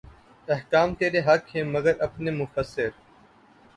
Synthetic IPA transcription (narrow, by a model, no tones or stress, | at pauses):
ɐɦkaːmt̪eːɾeːɦɐkhẽːməɡəɾɐpneːmʊfəsːɪɾ